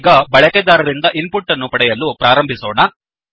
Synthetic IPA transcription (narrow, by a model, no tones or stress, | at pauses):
ɡaːbɐɭɐkɛd̪aːɾɐɾind̪ɐʔinpuʈːɐnːupɐɽɐjɐlːupɾaːɾɐmbʱisɔːna